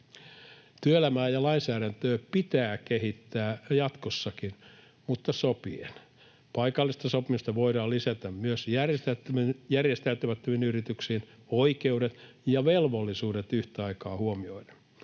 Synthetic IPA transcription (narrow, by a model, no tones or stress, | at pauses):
t̪yøelæmæːjɑlɑinsæːɾænt̪øːpit̪æːkeɦit̪ːæːjɑt̪kosːɑkin | mut̪ːɑsopien | pɑikɑlːist̪ɑsopimist̪ɑʋoidɑːlisæt̪æmmyøsjærest̪et̪ːjærjest̪æyt̪ømæt̪ːøʋinyrit̪yksiːn | oikeudet̪jɑʋelʋolːisuːdet̪yht̪æɑikɑːhuomioinen